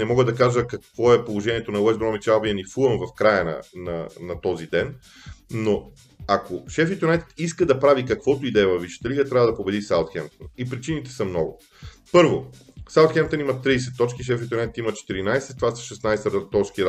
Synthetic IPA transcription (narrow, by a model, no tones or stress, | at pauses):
nɛmɔɡəd̪ɐkaʒəkɐkvɔɛpolˠoʒɛniɛt̪onɐwɛzbɾɔmit͡ʃalˠbiɐnifuəmvɐfkɾajənɐ̰nɐ̰nɐt̪ɔzid̪ɛn | nːo | akoʃɛfit̪onɛt̪t̪iskəd̪ɐpɾavikɐkvɔt̪oid̪ɛɛvɐviʃi̥t̪ɐlʲiɡət̪ɾʲavəd̪ɐpobɛd̪isalˠt̪xɛmt̪onipɾit͡ʃinit̪ɛ̥sɐmnɔɡʊ̰ | pɤɾvo | salˠt̪xɛmt̪onimɐt̪ːɾiːsɛt̪ːɔt͡ʃkiʃ̬ɛfit̪onɛt̪t̪imɐt͡ʃɛ̥t̪iɾinajsɛt̪ːvasɐ̥ʃɛsnajsɾt̪ɔskiɾ